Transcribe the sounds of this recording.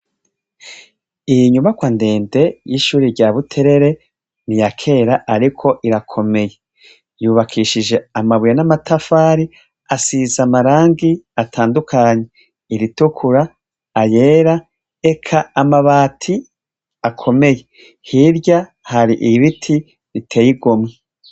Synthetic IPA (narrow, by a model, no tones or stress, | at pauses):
iɲumakwande̞ːnde̞jiʃuːɾiɾɟaːβutʰe̞ɾe̞ɾe̞ | nijakʰe̞ːɾaʔaɾikʰo̞ʔiɾakʰo̞me̞je | juːβakʰiʃid͡ʒe̞amaβujanamatʰafaːɾi | asizamaɾaːŋɡiatʰaːndukʰaːɲe̞ | iɾitukʰuɾaː | je̞ːɾa | ekʰaːmaβaːtʰi | akʰo̞me̞je̞ | hiɾɟa | haɾiʔiβitʰi | ɾitʰe̞ːjiɡomŋe